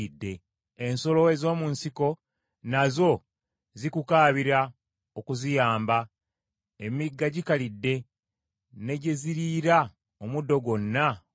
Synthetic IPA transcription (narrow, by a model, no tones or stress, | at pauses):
idːe̞ | enso̞lo̞e̞zo̞ːmunsiko̞ | nazo̞ | zikukaːβiɾa | okuzijaːmba | emiɡːaɟikalidːe̞ | ne̞ɟeziɾiɾa | omudːo̞ɡwo̞nːa